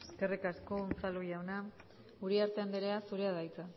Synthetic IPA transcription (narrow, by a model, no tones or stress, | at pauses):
eske̞rikasko̞ːnt͡saluʎawna | uɾiaɾt̪eand̪eɾeasuɾeaðajt͡s̪a